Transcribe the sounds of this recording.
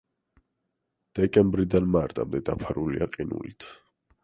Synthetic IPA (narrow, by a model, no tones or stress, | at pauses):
d̪̥ɛkʼɛmbɾid̪anmaɾt̪ʼamd̪ɛd̪apʰaɾuliaqʼinṵlit̪ʰ